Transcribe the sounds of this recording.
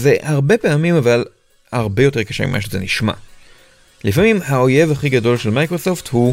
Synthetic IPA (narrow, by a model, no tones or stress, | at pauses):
ze̞haʁbe̞peamimaval | haʁbe̞jo̞te̞ʁkḁʃemḭma̰ʃ̬ezḛniʃma̰ | lifamimhao̞je̞vaχiɡado̞lʃe̞lmajkʁosofthu